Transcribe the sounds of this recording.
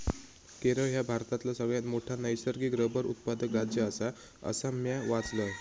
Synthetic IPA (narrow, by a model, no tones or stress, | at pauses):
keɾəɭɦjabʱaɾt̪at̪lasəɡɭjanmoʈʰanəjsəɾɡiːɡɾəbəɾṵt̪̚pad̪əkɾad͡ʑjəːsa | ə̰samjaʋat͡slə